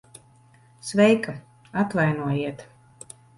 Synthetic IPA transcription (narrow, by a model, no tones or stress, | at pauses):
svɛjka | at̪vajnuɔjiɛt̪